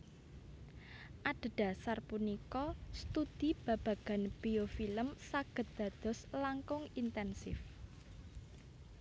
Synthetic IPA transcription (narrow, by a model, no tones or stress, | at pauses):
ʔaɖ̥ə̤d̪̥ä̤sarpunikɔst̪ud̪̥i̤b̥ä̤b̥ä̤ɡ̥a̤nb̥iofiləmsaɡ̥ə̤t̪̚d̪̥ä̤d̪̥ɔ̤slaŋkʊŋint̪ɛnsɪ̰f